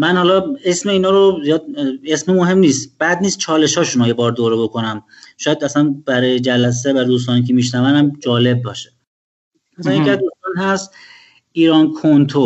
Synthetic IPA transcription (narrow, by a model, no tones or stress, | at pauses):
mænhɒːlɒːe̞smeiːnɒːɾozijɒːd̪̚e̞smemoɦe̞mniːst̪b̥æd̪niːst̪̚t͡ʃʰɒːle̞ʃɒːʃunoje̞bɒːɾd̪oːɾebo̞kʰonæm | ʃɒːjæd̪æsænbæɾɒːjed͡ʒælæs̬evæɾd̪uːs̬t̪ɒːniːkʰemiːʃnævænæmd͡ʒɒːle̞b̚bɒːʃe̥ | mæsæjekæd̪uːst̪ɒːnɦæst̪ | iːɾɒːnkʰont̪ʰo